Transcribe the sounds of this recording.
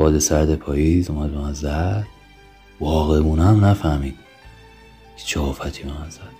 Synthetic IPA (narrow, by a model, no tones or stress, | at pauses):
bɒːd̪esæɾd̪epʰɒːjiːzomæd̪̚bemænzæd̪̥̚ | vɒːɣemuːnæmnæfæhmiːd̪̥ | kʰe̥t͡ʃʰɛɒːfæt̪ʰiːbemænzæd̪̥